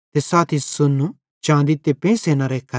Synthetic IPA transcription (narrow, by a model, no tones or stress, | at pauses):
t̪esaːt̪ʰisʊnu | t͡ʃãːnd̪it̪epẽːseːnaɾekʰɐ